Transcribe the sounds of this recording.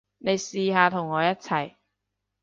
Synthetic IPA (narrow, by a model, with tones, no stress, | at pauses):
ne˨˧jsiː˨˧ɦaː˨˧t̪ʰʊ˨˩ŋːɔː˨˧jɐ˥t̚t͡sʰɐ˨˩j